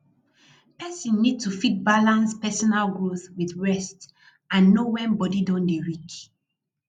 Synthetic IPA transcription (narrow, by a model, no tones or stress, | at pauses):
pɛsɔ̃nːid̚tufit̚balãnspɛsɔnalɡoswiθɹɛst | ãnːowɛ̃nbɔdidɔ̃ndeɹik